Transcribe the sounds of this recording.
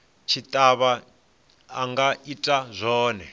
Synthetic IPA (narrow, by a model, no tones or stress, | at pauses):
t͡ʃʰit̪ʼaβaː | ŋɡaitʼazʷɔːnɛ